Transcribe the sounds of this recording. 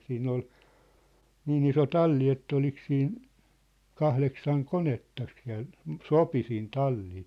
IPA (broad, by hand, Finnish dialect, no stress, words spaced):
siːnː ol niːn iso tɑlːi etː olik siːn kɑhleksɑŋ konetːɑk siæ̝l sopi siːn tɑlːiː